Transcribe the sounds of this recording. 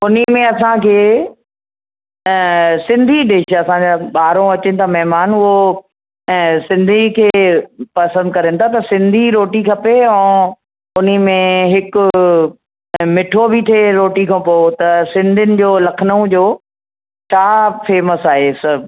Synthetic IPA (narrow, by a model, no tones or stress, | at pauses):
ʊnimẽɐsãkʰeː | sɪ̃nd̪ʱiɗeːʃɐsãd͡ʑaɓaːɾõɐt͡ɕɪnɪ̆t̪ʰamɛɦmaːnʊɦo | sɪ̃nd̪ʱikʰeːpɐsə̃nd̪kɐɾə̃nɪ̆t̪ʰat̪ɐsɪ̃nd̪ʱiɾoːʈikʰɐpeɛ̃ː | ʊn̤imẽɦɪkʊ̆ | mɪʈʰobʱɪt̪ʰeɾoːʈikʰãpot̪ɐsɪ̃nd̪ʱɪnɪ̆d͡ʑoːlɐkʰnũd͡ʑoː | t͡ɕʰaːfeːməsaːɦesɐb